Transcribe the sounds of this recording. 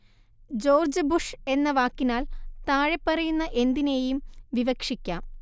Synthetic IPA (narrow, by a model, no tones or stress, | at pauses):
d͡ʑo̞ːrd͡ʑɨbuʂe̞nːɐʋaːkːinaːlt̪aːɻepːɐrɐjunːɐʔe̞nd̪ineːjumʋiʋɐkʂikʲːaːm